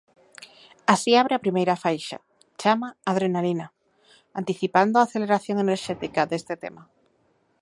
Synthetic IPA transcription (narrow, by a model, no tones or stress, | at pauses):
asiaβɾeapɾimejɾafajʃa̰ | t͡ʃamaːðɾenalina | ant̪iθipand̪oaθeleɾaθjoŋeneɾʃet̪ikad̪est̪et̪ema